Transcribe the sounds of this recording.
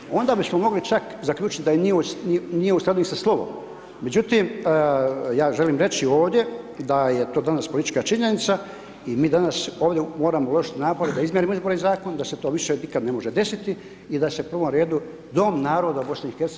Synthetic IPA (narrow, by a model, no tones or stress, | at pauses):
o̞nd̪aːbismo̞mo̞ɡlit͡ʃakzakʎʲuːt͡ʃit̪id̪ajenininijeuslad̪unisaslˠo̞ʋo̞̰mː | e̞d͡ʑut̪im | jaːʒe̞liːmɾe̞t͡ɕio̞ːʋd̪je̞ | d̪aje̞t̪o̞ːd̪anaspolit̪i̥t͡ʃkat͡ʃiɲe̞nit̪sa | imiːd̪anaso̞ːʋd̪ʲjemo̞ːɾamoulˠo̞ʃi̥t̪inaːpo̞ɾed̪aizmjeɾimizbo̞ɾeizaːko̞nd̪ase̞t̪oːʋiʃenikad̪nemoʒed̪e̞sit̪i | id̪ase̞upr̩ʋo̞mɾe̞ːd̪u | d̪o̞mnaːɾo̞d̪aubo̞sneixeɾt̪s